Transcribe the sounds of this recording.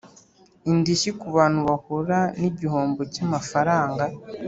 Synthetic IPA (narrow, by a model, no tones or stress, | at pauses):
indiʃikuβaːn̥uβakoɾaniɟihoːmbocamafaɾaːŋɡa